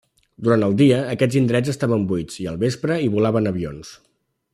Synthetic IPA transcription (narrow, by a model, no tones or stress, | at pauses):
d̪uɾant̪əlˠd̪iəːkɛd͡zind̪ɾɛd͡zəst̪aβəmbujd͡ziə̰lˠβespɾəiβulaβənəβio̰ns